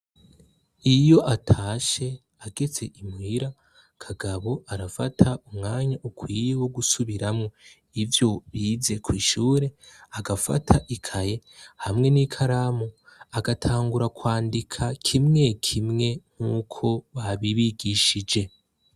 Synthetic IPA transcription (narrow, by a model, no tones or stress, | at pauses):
ijo̞ʔatʰaːʃe̞ | aɡe̞t͡se̞ʔimwiːɾa | kʰaɡaβo̞aɾafatʰaumŋaːɲaʔukwiːjewo̞ɡusuβiɾamŋo̞ | ivjo̞βiːze̞kʰwiːʃuːɾe̞aɡafa̰tʰaʔikʰaje̞ | hamŋe̞nikʰaɾamo | aɡatʰaːŋɡuɾakwaːndikʰakʰimŋe̞kʰimŋe̞ŋ̥huːkʰo̞βaβiβiɡiʃid͡ʒe̞